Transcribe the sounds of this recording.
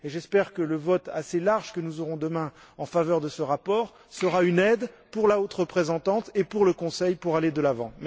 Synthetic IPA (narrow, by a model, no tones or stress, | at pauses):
eʒɛspɛʁkələvɔt̪aselaʁʒkənuzɔʁɔ̃d̪əmɛ̃ | ɑ̃favœʁd̪əsəʁapɔːʁ | səʁaynɛd̪puʁlaot̪ʁəpχezɑ̃t̪ɑ̃t̪epuʁləkɔ̃sɛjpuʁaled̪əlavɑ̃m